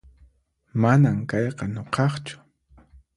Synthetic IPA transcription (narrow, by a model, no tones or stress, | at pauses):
manamkɑjqɑnoqʰɑχt͡ʃʊ̥